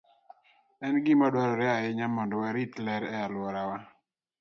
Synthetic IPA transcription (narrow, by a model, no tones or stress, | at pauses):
ɛnɡimadwaɾɔɾɛaɪɲamɔndɔwaɾitlɛɾɛalwɔɾawa